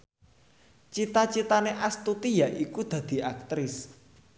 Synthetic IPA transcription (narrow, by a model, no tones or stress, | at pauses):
t͡ʃit̪at͡ʃit̪aneʔast̪ut̪ijaʔikud̪̥ä̤d̪̥i̤ak̚t̪ɾɪs